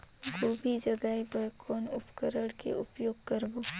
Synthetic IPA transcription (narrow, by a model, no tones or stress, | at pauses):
ɡoːbʱid͡ʒɐɡaːibəjkʰɔːnʊpkəɾəɽkḛʔʊpjoːɡkəɾboː